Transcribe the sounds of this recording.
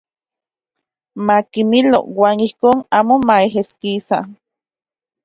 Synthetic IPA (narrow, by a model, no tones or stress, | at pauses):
makinilo̰waːnihkoːnaːmomaeɦeskisa̰